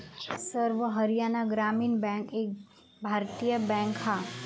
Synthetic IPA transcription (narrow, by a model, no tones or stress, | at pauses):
səɾʋɦɐɾijaːnaɡɾaːmiːnbɛ̃ːŋkeːk̚ | bʱaːɾt̪ijəbɛ̃ːŋkhaː